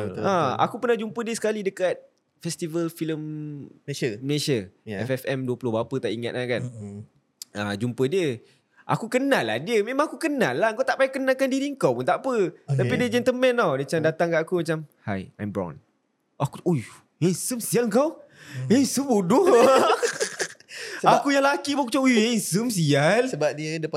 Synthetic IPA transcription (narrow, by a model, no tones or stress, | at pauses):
aa̰kupənahd͡ʒumpədiəsə̥kalidəkat̪̚ | fɛst̪ivəlfiləm | məleʃəɛfɛfɛmduəpulʊhbaapət̪aʔiŋa̰t̪̚lakan | əd͡ʒumpədiə | ʔa̰kukənalːadiəmẽmãŋakukənalːaŋkawt̪aʔpajakənalkandiɾiəŋkawpunt̪aʔpət̪apidiəd͡ʒɛnt̪əmɛnawdat͡ʃamdat̪aŋkaʔakumat͡ʃamhaja̰jmbɾɔ̰n | akuoj | esəmsialŋkawesəmbodʊha | akujaŋlakibakut͡ʃaujesəmsialəbadidə